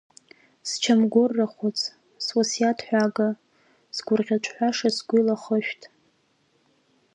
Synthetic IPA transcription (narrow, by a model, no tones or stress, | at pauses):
st͡ʃʰamɡʷʊrːaχʷʊt͡sʰʼ | swasijatʰħʷᶣaɡa | sɡʷʊrʁʲat͡ʃʷʰʼħʷᶣaʂasɡʷʊlaχəʃᶣtʰʼ